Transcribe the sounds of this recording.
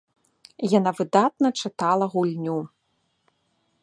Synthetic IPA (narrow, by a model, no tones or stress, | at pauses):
janavɨd̪at̪nɐt͡ʂɨt̪alˠɐɣulʲnʲu